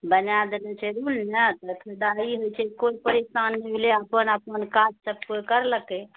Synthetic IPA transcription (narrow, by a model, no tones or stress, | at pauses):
bənjad̪elɛt͡ʃʰɛɾulnət̪əkʰed̪aiɦojt͡ʃʰɛkoipəɾisanːɛbʱeleəpənəpənkad͡ʒsəb̚kojkəɾləke